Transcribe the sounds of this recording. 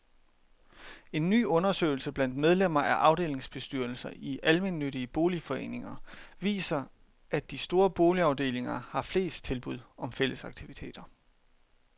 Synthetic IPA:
e̝nːy̰ːɔ̽nɐsø̰ɪl̩səb̥læn̰d̥með̞ˠlem̰ɐʔæɐʔɑ̈ʊde̝ːle̝ŋsb̥e̝sd̥yɐ̰l̩sɐʔiʔælme̝nːøɾiəb̥o̝ːlifɒ̽e̝̰ːne̝ŋɐʋḭːsɐ | ʔæd̥ːisd̥o̝ːɐb̥o̝ːliɑ̈ʊd̥e̝̰ːle̝ŋɐhɑ̈fle̝̰ːsd̥̚t͡sʰe̝lb̥uð̞̰ˠɒ̽mfel̰ʔəsɑ̈ɡ̥̚t͡sʰiʋit͡sʰe̝̰ːd̥ɐ

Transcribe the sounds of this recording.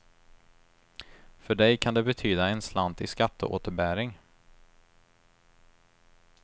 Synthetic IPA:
fœɖɛjkʰand̪ɛbɛt̪ʰyːd̪aɛnslant̪ɪskat̪ʰːə̰ʔo̰ːt̪əɾbæːɾɪŋ

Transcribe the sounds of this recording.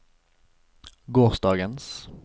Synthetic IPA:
ɡoːʁsd̪ɑːɡəns

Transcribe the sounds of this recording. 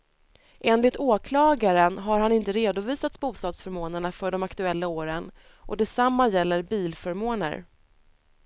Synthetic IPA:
ʔeːnlɪt̪ʰoːkʰlɑːɡaɾənɦaɾhanɪnt̪əɾeːd̪ʊviːsat̪sbuːst̪ɑːd̪sfœɾmoːnəɳafœɖɔmakt̪ɵɛlːaoːɾən | ʔɔd̪ɛsamːajɛlːəɾbiːlfœɾmoːnə̰ɾ

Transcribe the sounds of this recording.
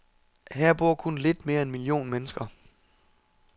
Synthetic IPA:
hæɐ̰b̥o̝ɐ̰kʰonle̝d̥me̝ːɐenmilio̝̰ːnmenəsɡ̥ɐ

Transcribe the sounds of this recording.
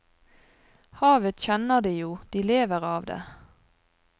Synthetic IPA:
hɑːʋət̪çɛnəʁd̪iːjuːd̪̥iːleːʋəʁɑːʋd̪ḛː

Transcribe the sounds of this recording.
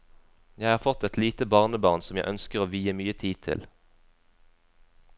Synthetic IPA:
jæɪhɑːʁfɔt̪ɛt̪ʰliːt̪əbɑːʁnəbɑːʁnsɔmjæɪʔœnskəʁoːʋiːəmyːət̪ʰiːt̪ʰɪ̰l

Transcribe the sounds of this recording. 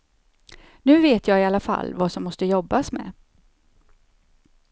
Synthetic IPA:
nʉ̟ːveːt̪jɑːɪalːafa̰lːvasɔmːɔst̪əjɔbːasmɛ̰

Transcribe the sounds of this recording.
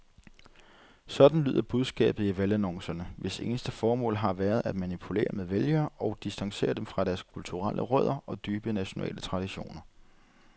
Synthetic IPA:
sɒ̽d̥n̩ly̰ːð̰ˠɐb̥uð̞ˠsɡ̥ɛ̰ːb̥ð̩ˠiʋælænɔ̽ŋsɐnəʋe̝se̝̰ːnəsd̥əfɒːmɔ̰̽ːlɦɑ̈ʋæːɐð̞̩ˠæd̥mænipʰule̝̰ːɐmeðˠʋeljɐːɒ̽ʊd̥isd̥ɑ̈ŋse̝̰ːɐd̥emfʁɑ̈ɾ̥æɐskʰult͡sʰuʁalʔəʁœð̞̰ˠɐɒ̽d̥yːb̥ənæɕo̝nɛ̰ːlət͡sʰʁɑ̈d̥iɕo̝̰ːnɐ

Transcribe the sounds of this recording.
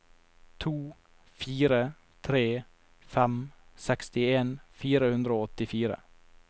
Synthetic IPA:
t̪ʰuː | fiːɾə | t̪ʰɾeː | fɛmsɛkst̪ɪeːnfiːɾəhʉnd̪ɾəoːɔt̪ɪfiːɾə̰

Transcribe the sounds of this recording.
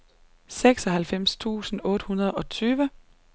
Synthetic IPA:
seɡ̥sɒ̽ɦælfem̰st͡sʰṵːsn̩ɔ̽ːɾ̥əhunɐð̞ˠɒ̽t͡sʰyːʋə

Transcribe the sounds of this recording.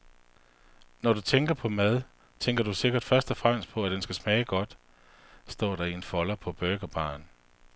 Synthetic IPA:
nɒɾ̥ut͡sʰeŋɡ̥ɐpʰɒ̽mæð̞ˠ | t͡sʰeŋ̰ɡ̥ɐd̥use̝ɡ̥ɐd̥fɶɐsd̥ɒfʁam̰əspʰɒ̽æd̥ensɡ̥æsmɛːɪɡ̥ɒ̽d̥ | sd̥ɒ̰ːɾ̥ɑ̈ienfɒ̽lɐpʰɒ̽b̥øɡ̥ɐb̥ɑ̰̈ːn

